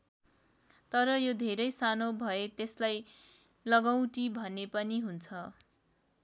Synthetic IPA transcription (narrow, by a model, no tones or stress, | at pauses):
t̪ʌɾʌjod̪ʱeɾʌjsanobʱʌet̪eslaj | lʌɡaw̃ʈibʱʌnepʌniɦunt͡sʰʌ